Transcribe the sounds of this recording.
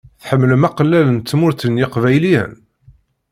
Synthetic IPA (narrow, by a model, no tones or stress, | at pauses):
θħəmːləmæqlːælənt̪ːmʊɾθənjɪqvæjliæ̰n